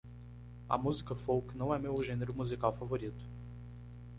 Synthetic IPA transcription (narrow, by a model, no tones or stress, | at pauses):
ɐ̰muzikɐfowknɐ̃w̃ɛmewʒẽneɾʊmuzikawfavoɾit̪ʊ̥